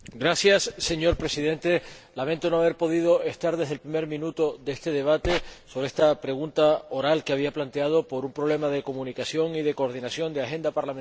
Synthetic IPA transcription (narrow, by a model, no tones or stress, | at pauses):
ɡɾasjasːe̞ɲo̞ɾpɾe̞siðẽ̞nt̪e̞ | lament̪o̞noaβeɾpo̞ð̞ið̞o̞e̞st̪aɾðe̞ɦðelpɾime̞ɾmĩnut̪o̞d̪eest̪e̞ð̞e̞β̞at̪e̞soβɾeest̪apɾe̞ɣ̞unt̪ao̞ɾalkeaβ̞iaplant̪e̞að̞o̞po̞ɾumpɾoβle̞mað̞e̞ko̞mũnikasjo̞ŋiðe̞koɾðinasjo̞nd̪eaxe̞nd̪apaɾlamen